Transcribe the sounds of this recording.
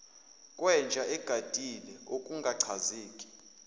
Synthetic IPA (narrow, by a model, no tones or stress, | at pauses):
kʼwɛnd͡ʒʱaʔɛɡ̥ʱad̥ʱilɛokʼuŋɡʱaǀʰaziːkʼi̥